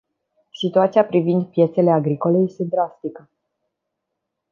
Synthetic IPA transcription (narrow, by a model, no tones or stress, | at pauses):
sit̪uat̪siapɾivind̪pje̞t̪se̞le̞aɡɾiko̞le̞je̞st̪e̞d̪ɾast̪ikə